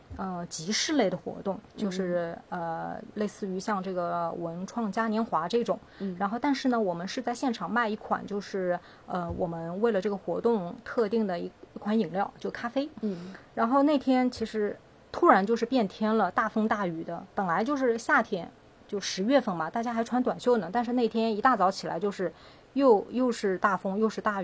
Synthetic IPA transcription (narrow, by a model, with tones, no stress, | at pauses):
ə˧t͡ɕi˧˥ʂɻ̩˥˧le˥˩ɪd̪ə˩xwɔ̰˧˥t̪ʊ˥˩ŋt͡ɕjo˥˧ʂɻ̩˥˩ə˧le˥˧ɪsɹ̩˥˩y˧˥ɕjɑ˥˧ŋʈ͡ʂɤ˥˩ɡə˩wə˧˥nʈ͡ʂʰwɑ˥˧ŋt͡ɕja˥njɛ˧˥nxwa˧˥ʈ͡ʂɤ˥˩ʈ͡ʂʊ˨˩˦ŋɻa˧˥nxo˥˧ʊt̪a˥˧nʂɻ̩˥˩nə˩wɔ˨˩mə˦nʂɻ̩˥˧t͡sa˥˧ɪɕjɛ˥˩nʈ͡ʂʰɑ˨˩ŋma˥˧ɪi˥˩kʰwa̰˨˩nt͡ɕjo˥˧ʊʂɻ̩˥˩ | ə˧wɔ˨˩mə˦nwe˥˩ɪlə˩ʈ͡ʂɤ˥˩ɡə˩xwɔ̰˧˥t̪ʊ˥˧ŋt̪ʰɤ˥˧t̪i˥˩ŋd̪ə˩i˧˥i˧˥kʰwa˧˥ni˨˩ŋljɑ˥˩ʊt͡ɕjo˥˧ʊkʰa˥fe˥ɪɻa˧˥nxo˥˧ʊne˥˩ɪt̪ʰjɛ˥nt͡ɕʰi˧˥ʂɻ̩˧˥ | t̪ʰu˥ɻa˧˥nt͡ɕjo˥˧ʊʂ̬ɻ̩˧pjɛ˥˩nt̪ʰjɛ˥nlə˨t̪a˥˩fɤ˥ŋt̪a˥˩y˨˩d̪ə˦pə˨˩nla˧˥ɪt͡ɕjo˥˧ʊʂ̬ɻ̩˥˧ɕja˥˩t̪ʰjɛ˥n | t͡ɕjo˥˧ʊʂɻ̩˧˥ɥɛ˥˧fə˥˩nbɐ˩t̪a˥˩t͡ɕja˥xa˧˥ɪʈ͡ʂʰwa˧˥nt̪wa˨˩nɕjo˥ʊnə˩t̪a˥˧nʂ̬ɻ̩˥˧ne˥˩ɪt̪ʰjɛ˥ni˧˥t̪a˥˩t͡sɑ˧˥ʊt͡ɕʰi˨˩la̰˧˥ɪt͡ɕjo˥˧ʊʂɻ̩˥˧ | jo˥˧ʊjo˥˧ʊʂɻ̩˥˧t̪a˥˩fɤ˥ŋjo˥˧ʊʂɻ̩˥˧t̪a˥˩y˨˩